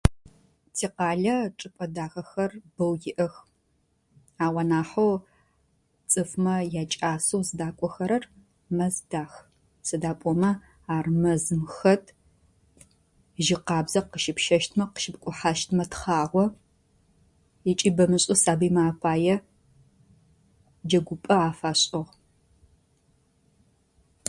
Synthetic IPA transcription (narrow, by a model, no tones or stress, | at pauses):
tʰiːqɑːɮɐʈ͡ʂʼɨpʼɐdaːxɐxɐrb̥ɐwjɪʔɐx | aːwɐnaːħow | t͡sʼɨfmɐjaːt͡ʃʼaːsowzɨdaːkʷʼɔxɐɾɐr | mɐzd̥aːx | sɐdaːpʼɔmɐ | aːrmɐzɨmxɐtʰ | ʒɪqɑːbzɐqəʃɪpʃɐʃtʰmɐqə̥ʃɪp̚kʷʼʊħaʃtʰmɐtʰχaːʁʷɔ | jɪt͡ʃʼiːbɐmɨɕʼʊsaːbiːmaːpʰaːjɛ | d͡ʒɐɡʷʊpʼɐaːfaːɕʼɪʁ